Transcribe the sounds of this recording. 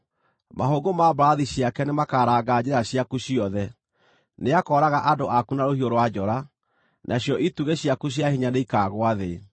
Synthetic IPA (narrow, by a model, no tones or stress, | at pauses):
mahoːɡomabɾaðiɕiakɛnemakaɾaːɡad͡ʑeɾaɕjakuɕiɔðɛ | neakɔːɾaɣaʔadoʔakunaɾohioɾowad͡ʑɔɾa | nʔaɕjɔʔituɣeɕjakuɕ̬jahiɲaneikaːɣwaðe